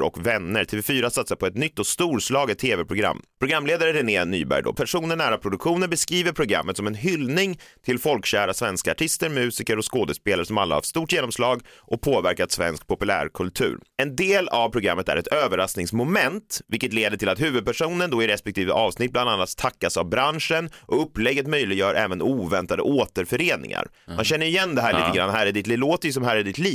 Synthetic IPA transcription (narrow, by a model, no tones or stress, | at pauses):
ɾɔ̰kvɛnːəɾt̪ʰeːvɛfyːɾasat̪sapʰɔɛt̪nʏt̪ːɔst̪uːɾslɑːɡət̪ʰːeːvɛpʰɾʊɡɾa̰mːpʰɾʊɡɾamːleːd̪aɾəɾɛneːny̰ːbæ̰jd̪ɔ̰pʰæʂuːnəɳnæːɾapʰɾʊd̪ɵkɧuːnənbɛskɾiːvəɾpʰɾʊɡɾa̰mːət̪sɔmɛnɦʏlnɪŋt̪ʰɪlfɔlkɕæːɾasvɛnskaaʈʰɪst̪əɾmʉ̟ːsɪkəɾɔskoːd̪əspeːlaɾəʂsɔma̰lːa̰ha̰vst̪uːʈjeːnɔmslɑːɡʔɔpʰoːvæɾkat̪svɛ̰nsk̚pʰɔpɵlæ̰ːɾkʰɵlt̪ʰʉ̟̰ːɾɛnd̪eːlavpʰɾʊɡɾa̰mːət̪æ̰ɾɛt̪ʰøːvəɾasnɪŋsmʊmɛnt̪vɪlkət̪leːd̪əʈʰɪlat̪hʉ̟ːvɵd̪̚pʰæʂuːnənd̪ɔɪɾɛspɛkt̪ʰiːvə̰ʔɑːvsnɪt̪̚bland̪anːat̪ʰːakːasavbɾanʂənʔɔɵpːlɛɡːət̪mœjlɪɡjœːɾʔɛ̰ːvənuːvɛnt̪ad̪ə̰ʔoːt̪əɾfœɾeːnɪ̰ŋa̰ɾ | manɕɛnːəɾɪjɛnːd̪ɛɦæːɾɭtiːt̪əɡɾa̰nːɦæːɾɪɖɪt̪liloːt̪əjsɔmɦæːɾɪɖɪt̪liː